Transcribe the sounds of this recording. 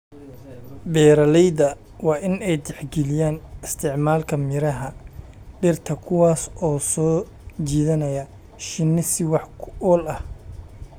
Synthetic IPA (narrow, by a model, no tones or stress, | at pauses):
bɛːɾɐlɛjðɐ | wɑːʔɪnɛjd̪ɛħɡɛlɪjaːnɪst̪ʰɪʕmaːlkʰɐmɪɾɐɦɐ | ɖɪrt̪ʰɐkʰʊwɑːsɔːsɔː | t͡ʃiːðɐnɐjɐ | ʃɪnːɪsɪwɑħkʰʊʔɔːlɐh